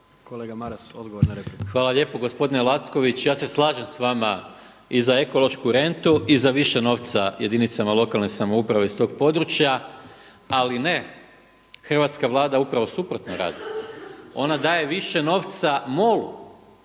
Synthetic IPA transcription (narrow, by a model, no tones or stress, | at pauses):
koleɡamaɾasod̪ɡoʋoɾnaɾepixʋaːlˠaʎe̞ːpo̞ɡo̞spo̞d̪inelˠat̪sko̞ʋit͡ɕjaːse̞slˠaːʒemsʋama | izae̞ko̞lo̞ʃkuɾe̞nt̪uʔizaʋiʃeno̞ʋt̪saje̞d̪init̪samalˠo̞kalˠnesamoupɾaʋe̞ist̪o̞ːɡpo̞d̪ɾut͡ʃja | aline̞ | xr̩ʋat̪skaʋlˠaːd̪aupɾaʋo̞supɾo̞t̪noɾa̰ːd̪i | o̞nad̪aːje̞ʋiʃe̞no̞ːʋt̪samo̞lu